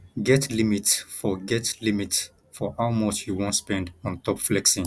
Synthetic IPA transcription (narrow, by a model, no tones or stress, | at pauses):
ɡɛtʰlimitsfɔɡɛtlimits | fɔʔaʊmɔt͡ʃjuwõntspɛ̃ndɔ̃ntʰɔpflɛksĩ